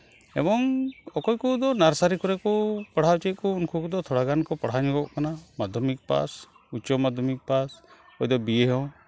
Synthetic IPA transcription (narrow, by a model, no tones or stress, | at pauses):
ɛbɔŋɔkɔjkud̪ɔnaɾsaɾikʰɔɾɛkɔpaɽ̤awt͡ʃɛt̪̚kuːnkʰukud̪ɔt̪ʰɔɽ̤aɡankɔpaɽ̤aɲuɡɔʔkanamad̪ʱjɔmik̚pa̰s | ut͡ʃɔmad̪ʱjɔmik̚pas | ɔjd̪ɔbijeɦɔw